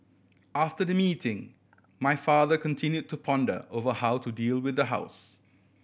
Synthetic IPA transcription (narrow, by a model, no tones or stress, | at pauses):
aftədəmiːtɪ̃ŋ | majfaːðəkɔ̃ntʰɪ̃njud̚tupʰɔ̃ndə̰ʔovəhaʊtudiːlwɪðəɦa̰ʊs